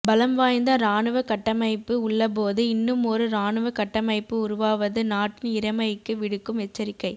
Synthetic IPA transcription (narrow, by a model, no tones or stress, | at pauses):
bɐlɐmʋaːjnd̪ɐɾaːnɯʋɐkɐʈːɐmɐɪpːɯʊɭːɐp̬oːðɯɪnːɯmɔɾɯɾaːɳɯʋɐkɐʈːɐmɐɪpːɯʊɾʊʋaːʋɐðɯnaːʈːɪnɪɾɐmɐjɪkːɯʋɪɽɯkːɯmɛt͡ʃːɐɾɪkːɐɪ